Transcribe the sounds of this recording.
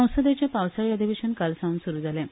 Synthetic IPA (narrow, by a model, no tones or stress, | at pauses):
ə̃w̃səd̪jat͡ɕapawsaɭijad̪ʱibeɕənkalsaũnsuɾud͡zalẽ